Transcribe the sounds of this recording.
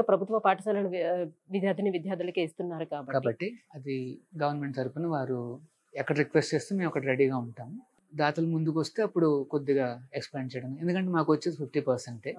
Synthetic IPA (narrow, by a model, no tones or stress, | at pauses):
pɾɐbʱut̪ʋɐpaːʈit͡ʃɐlɐnuʋid̪jaːd̪ʱiniʋid̪jaːd̪ʱɐlɐkeːst̪unːaːɾukaːbɐkaːbɐʈːiɐd̪iɡɐʋɐɾnme̞ɳʈ̚t̪ɐɾupunɐʋaːɾu | ɛkːɐɽɐɾikʋesʈt͡ʃeːst̪umeːmɔkːɐɽɐɾeɽiːɡaːuɳʈaːmu | d̪aːt̪ɐlɐmund̪uk̬uʋɐst̪e̞ːɐpːuɽuko̞d̪ːiɡaːeksplaːɳt͡ʃɛjɐɽɐnend̪ukɐɳʈeːmaːkuʋɐt͡ʃːed̪ipʰipʰʈiːpɐɾseɳʈeː